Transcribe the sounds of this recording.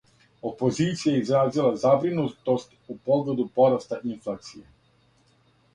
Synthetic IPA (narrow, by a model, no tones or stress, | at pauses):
o̞po̞ziːt̪sijajeizɾaːzilˠazabɾinut̪o̞st̪upo̞ɡle̞d̪upo̞ɾast̪aʔinflˠaːt̪sije